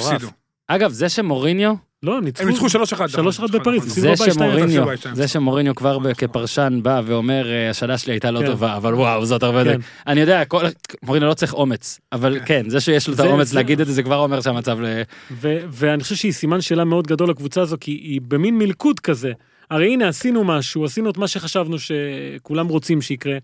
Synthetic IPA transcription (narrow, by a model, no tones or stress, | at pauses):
av | aɡavzeʃemo̞ʁinjo̞ | lo̞mnit͡siuʃaloʃeadʃʃaloʃeχad̪bepaʁizsizebemaoʁinjozeʃemo̞ʁinjo̞kvaʁbekepaʁʃanbaveo̞me̞ʁeaʃalaʃeliajt̪alot̪ovaːvalwawzotaʁbeden | anijo̞d̪eakolmoʁinjolot͡sʁiχo̞met͡savalkenzeʃejeʃlot̪aomet͡sleaɡid̪et̪izekvaʁo̞meʁʃeamat͡savleveveaniχoʃevʃeisimanʃeːlameo̞d̪ɡad̪o̞lakvut͡saːzokʰiːbeminmilkud̪kaze̞ | aʁejine̞asinumaʃuasinuet̪maʃe̞χaʃavnuʃe̞kulamʁo̞t͡simʃeikʁe